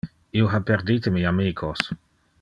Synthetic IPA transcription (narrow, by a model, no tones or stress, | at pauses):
ioɦapeɾd̪iːt̪emiamiːkʰos